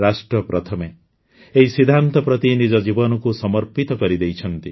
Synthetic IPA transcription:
ɾasʈɾɔpɾɔt̪ʰɔme | eɦisid̪ʱant̪ɔpɾɔt̪inid͡ʒɔd͡ʒibɔnɔkusɔmɔɾpit̪ɔkɔɾid̪ejt͡ʃʰɔnt̪i

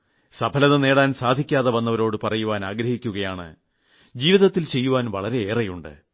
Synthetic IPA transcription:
sɐbʰʱɐlɐðɐne̞ːɽaːnsaːd̪ʱikʲːaːðɐʋɐnːɐʋɐɾo̞ːɽɨpɐrɐjuʋaːnaːɡɾɐhikʲːuɣɐjaːɳɨ̰ | d͡ʑiːʋiðɐt̪ːilt͡ɕe̞jːuʋaːnʋɐɭɐɾe̞eːrɐjuɳɖɨ̰

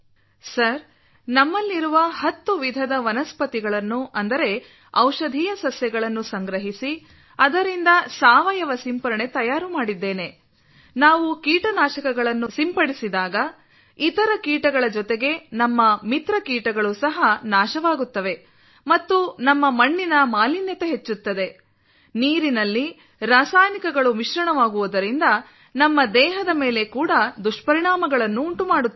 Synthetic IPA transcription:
sɐɾ | nɐmːɐlːiɾuʋɐhɐt̪ːuʋid̪ʱɐd̪ɐʋɐnɐspɐt̪iɡɐɭɐnːuʔɐnd̪ɐɾe̞ | ɐwʃɐd̪ʱiːjɐsɐsjɐɡɐɭɐnːusɐŋɡɾɐɦisi | ɐd̪ɐɾind̪ɐsaːʋɐjɐʋɐsimpɐɾɐɳe̞t̪ɐjaːɾumaːɽid̪ːeːne̞ | naːʋukiːʈɐnaːʃɐkɐɡɐɭɐnːusimpɐɽisid̪aːɡɐ | it̪ɐɾɐkiːʈɐɡɐɭɐd͡ʒɔt̪e̞ɡe̞nɐmːɐmit̪ɾɐkiːʈɐɡɐɭusɐɦɐnaːʃɐʋaːɡut̪ːɐʋe̞ | mɐt̪ːunɐmːɐmɐɳːinɐmaːlinjɐt̪eɦe̞t͡ʃːut̪ːɐd̪e̞ | niːɾinɐlːi | ɾaːsaːjnikɐɡɐɭumiʃɾɐɳɐʋaːɡuʋud̪ɐɾind̪ɐ | nɐmːɐd̪ɛːɦɐd̪ɐme̞ːle̞kuːɽɐd̪uʂʈpɐɾiɳaːmɐɡɐɭɐnːuːɳʈumaːɽut̪ː

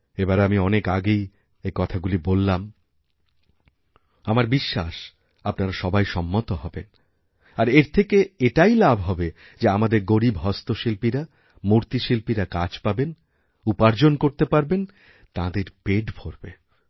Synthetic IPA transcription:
ebaɾamiɔnekaɡej | ekɔt̪ʰaɡulibolːam | amaɾbiʃːaʃ | apnaɾaʃɔbajʃɔmːot̪oɦɔben | aɾeɾt̪ʰekeeʈajlabʱɦɔbe | d͡ʑeamad̪eɾɡoɾibɦɔst̪oʃilpiɾa | muɾt̪iʃilpiɾakat͡ɕpaben | upaɾd͡ʑonkoɾt̪epaɾben | t̪ãd̪eɾpeʈbʱoɾbe

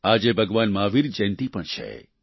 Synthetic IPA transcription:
ad͡ʒebʱəɡʋanmaːʋiɾd͡ʒɛ̃nt̪ipəɳt͡ʃʰḛ

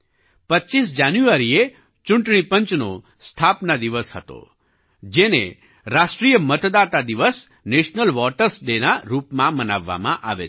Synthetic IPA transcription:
pəːʃisd͡ʒanjuaɾie | t͡ʃʊɳʈɳ̃ipəɲt͡ʃno̰ | st̪ʰapnad̪iʋəshət̪o̰ | d͡ʒenḛ | ɾaʃʈɾijəmət̪d̪at̪ad̪iʋəs | neʃnəlʋɔʈəɾsɖenaɾupmãmənaʋːa̰mãʔaʋḛ

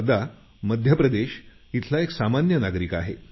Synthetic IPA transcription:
d̪a | məd̪ʱjəpɾəd̪eɕ | it̪ʰlaeksamanjənaɡɾikaɦḛ

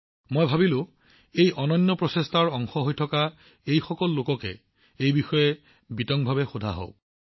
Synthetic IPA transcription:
mojbʱabilʊ̃ | ejʔɔnɔjnːɔpɹɔsestʰaɹɔŋxɔɦojtʰɔka | ejxɔkɔlːokɔkɛ̰ | ejbixɔjɛ | bitɔŋbʱabɛxodʱa̰ɦɔ̰ʊ

